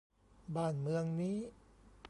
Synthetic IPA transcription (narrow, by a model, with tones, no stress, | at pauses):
baː˨˩nmɯ˧əŋniː˦˥˩p